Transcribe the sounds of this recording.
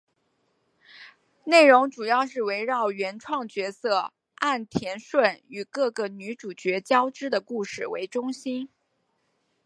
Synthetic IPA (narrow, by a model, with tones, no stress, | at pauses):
ne˥˩ɪɻʊ˧˥ŋʈ͡ʂu˨˩jɑ˥˧ʊʂ̬ɻ̩˥˩we˧˥ɪɻɑ˥˩ʊɥɛ˧˥nʈ͡ʂʰwɑ˥˩ŋt͡ɕɥɛ˧˥sɤ˥˩ | a˥˩nt̪ʰjɛ˧˥nʂwə˥˩ny˨˩kɤ˥˩ɡə˩ny˧˥ʈ͡ʂu˨˩t͡ɕɥɛ˧˥t͡ɕjɑ˥ʊʈ͡ʂɻ̩˥d̪ə˨ku˥˧ʂɻ̩˥˩wḛ˧˥ɪʈ͡ʂʊ˥ŋɕi˥n